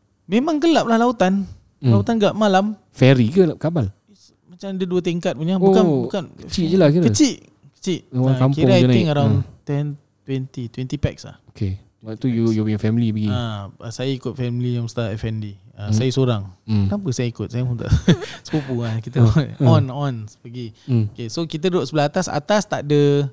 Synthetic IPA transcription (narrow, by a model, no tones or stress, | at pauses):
mẽmãŋkəlap̚lahlaut̪an | lawut̪anɡaʔmalam | fɛɾikəkabal | is | mat͡ʃamadəduət̪̬iŋkat̪̚puɲaukabukankət͡ʃiʔd͡ʒəlakiɾət͡ʃiʔ | kə̥t͡ʃiʔwaŋakampkiɔɾaajt̪ɪŋəɾawnt̪ɛn | t̪wɛnt̪it̪wɛnt̪ipɛk̚sa̰hoke | at̪ujujupɲafɛmilibəɡiaəsajaikʊt̪̚fɛmilijaŋst̪aɛfɛndiəsajəsoɾaŋ̩namp̬əsajaikʊt̪̚sajapuŋt̪a̰ʔsəpupuankit̪əɔnɔnɔnsə̥pəɡiokesokit̪̬ədəɾoʔsəbəlahat̪asa̰t̪ast̪a̰ʔdə